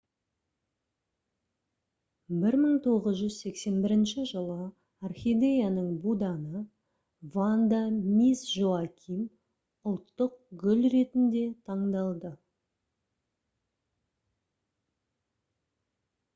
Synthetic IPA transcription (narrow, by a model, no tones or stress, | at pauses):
bɪɾməɴt̪ʰo̞ʁəzʒʏzse̞kse̞nbɪɾɪnʃɪʒəlˠə | arχʲid̪ejanəɴbud̪ɑnə | vand̪amisʒoakʲʰim | ʊlˠt̪ːəq̚ɡʲʏlre̞t̪ɪnd̪e̞t̪ʰɑɴd̪ɑlˠd̪ə